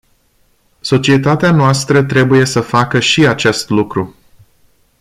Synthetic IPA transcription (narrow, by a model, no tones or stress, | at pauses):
so̞t͡ʃie̞t̪at̪eanoast̪ɾət̪ɾe̞buje̞səfakəʃiat͡ʃe̞st̪lukɾu